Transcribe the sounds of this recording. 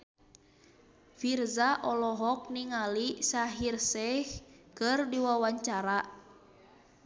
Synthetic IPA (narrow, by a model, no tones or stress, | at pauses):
firzaʔɔlɔɦɔk̚niŋalisaɦirsɛhkɨrdiwawaɲt͡ʃaɾa